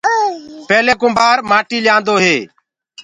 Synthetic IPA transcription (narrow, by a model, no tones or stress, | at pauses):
pɛːleːkʊmbʱaːɾmaːʈiːlɪjãːnd̪oːɦeː